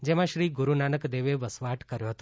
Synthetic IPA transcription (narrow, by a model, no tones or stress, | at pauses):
d͡ʒemãʃɾiɡuɾunanəkd̪eʋeʋəsʋaʈkəɾjoɦət̪o